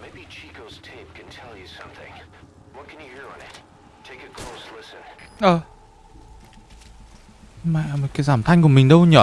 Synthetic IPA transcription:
meɪbit͡ʃʰikoʊz̥tʰeɪp̚kʰɨ̃ntʰɛlˠjɨsʌ̰̃mθɪ̰̃ŋ | wʌt̚kʰɨ̃njɨhiɹə̃nɪt̚ | tʰeɪkɨkʰl̥oʊslɪsɨ̃nʔəː | maʔm̚kaːjzaːmt̪ʰajŋ̟kuəmïŋɗəwɲəː

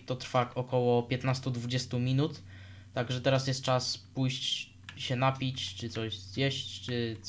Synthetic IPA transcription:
t̪ɔt̪ɾfaɔkɔwɔpʲjɛt̪nast̪ud̪vud͡ʑɛst̪umʲinut̪ː | aɡʐɛt̪ɛɾasjɛst̪̚t͡ʂaspujɕt͡ɕ | ɕɛnapʲit͡ɕt͡ʂɘt̪sɔʑzjɛɕt͡ɕt͡ʂɘ

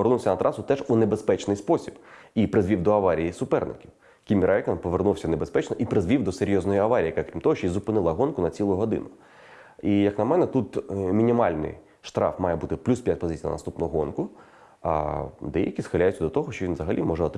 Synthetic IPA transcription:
ernuwsʲɐnɐt̪ɾʔɑsʊt̪ɛʐunebespɛt͡ʃnɪjspɔsʲib̥ipɾɪzʲʋʲiwd̪ɔɐʋɑɾʲijisʊpɛrnɪ̰kʲiw | kʲimʲiɾajkɐnpɔʋernuwsʲɐnebespɛt͡ʃnɔʔipɾɪzʋʲiwd̪ɔseɾʲjɔznɔjiɐʋɑɾʲjiɐkɛkɾʲimt̪ɔɦɔʃt͡ʃɔizʊpɪnɪlˠɐɦɔnkʊnɐt͡sʲilˠʊɦɔd̪ɪ̰nʊ | ijɐknɐmɛnɛt̪ut̪mʲinʲimɑlʲnɪ̰j | ʃt̪ɾɑ̰fmɑjɛbut̪ɪplʲuspʲjat̚ʲpɔzɪt͡sʲijnɐ̰nɐst̪upnɔɦɔɦɔnkʊ | ɐ̰d̪ɛjɐkʲisxɪlʲajʊt͡sʲːɐd̪ɔt̪ɔɦɔʃt͡ʃɔʋinzɐɦɐlʲʔimɔʒɛɔt̪

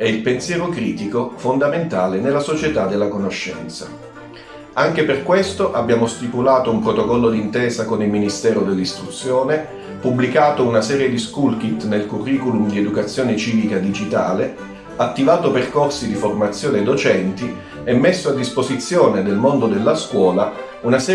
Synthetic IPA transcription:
ɛilpensjɛːɾokɾiːt̪ikofond̪ament̪aːlenelːasot͡ʃet̪ad̪ːelːakonoʃːɛ̰nt̪sa̰ | aŋk̟eperkwest̪oʔabːjaːmost̪ipulaːt̪oumpɾot̪okɔlːod̪int̪ɛːzakonilminist̪ɛːɾod̪elːist̪ɾut̪sjoːne | pubːlikaːt̪ounasɛːɾjed̪iskulk̟it̪nelkurːiːkulumd̪ied̪ukat̪sːjoːnet͡ʃiːvikad̪id͡ʒit̪a̰ːle | at̪ːivaːt̪operkorsid̪iformat̪sːjoːned̪ot͡ʃɛnt̪i | ɛmːesːoad̪ːispozit̪sːjoːned̪elmond̪od̪elːaskwɔːla | unasɛː

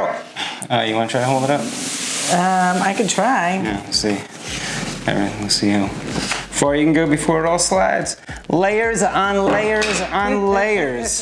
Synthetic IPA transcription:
ʌjɨwɑ̃nətʰɹaɪɾəɦoʊlˠdðəɾʌp̚ʌ̃maɪkɨd̚tʰɹ̥aɪnowilˠsi | ɛ̰vɹḭ̃wilˠsihu | fɑɹjɨkn̩ɡoʊbɨfɔɹɨɾɔlˠslaɪdz̥leɪə˞zə̃n̩leɪə˞zə̃n̩leɪə˞z̥

